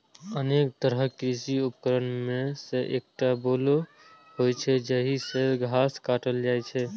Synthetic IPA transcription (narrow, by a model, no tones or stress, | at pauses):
ənekt̪əɾəkɾisiupkəɾənmeseʔek̚ʈabolo | ɦojt͡ʃʰɛd͡ʒəɦiseɡʱaskaʈəld͡ʒajt͡ʃʰɛ